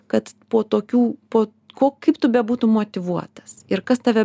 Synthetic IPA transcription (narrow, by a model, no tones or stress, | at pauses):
kɐt̪poːt̪oːkʲuːpoː | koːkɐɪpt̪ʊbʲɛbuːt̪umoːt̪ʲɪʋuɔt̪ɐ̥sɪɾkɐst̪ɐʋʲɛ